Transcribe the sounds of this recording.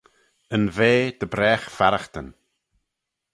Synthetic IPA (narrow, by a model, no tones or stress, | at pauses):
ənveːd̪̥əbɾɛːxfaɾaxt̪ən